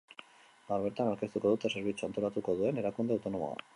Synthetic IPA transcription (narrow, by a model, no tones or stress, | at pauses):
ɡawɾβe̞ɾt̪anawɾke̞st̪uko̞ðut̪ese̞ɾβ̞it͡suant̪o̞ɾat̪uko̞ð̞ue̞ne̞ɾakund̪e̞awt̪o̞no̞mo̰a̰